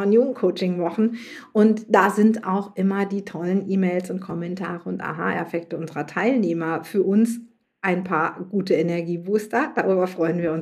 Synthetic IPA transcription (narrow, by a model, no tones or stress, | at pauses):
ɔnjuːɡŋ̩kʰoʊt͡ʃɪŋvɔχn̩ʔʊntd̥aːzɪntaʊxʔɪmɐdiːtʰɔlənʔiːmeːɪlsʊnt̚kʰɔmɛntʰa̰ːʁəʊntʔa̰ɦa̰ːʔɛ̰ɐfɛk̚təʔʊnzəʁɐtʰaɪlneːmɐfyːɐʔʊns | ʔaɪnpʰaːɐɡ̥uːtəɛnɛɐɡiːbuːstɐd̥aʁyːbɐfʁ̥ɔʏənviːɐʊn